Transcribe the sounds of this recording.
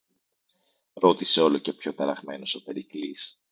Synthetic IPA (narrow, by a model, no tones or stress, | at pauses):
ɾo̞t̪ise̞o̞lo̞ce̞pço̞t̪ɐɾɐɣme̞no̞sope̞ɾiklis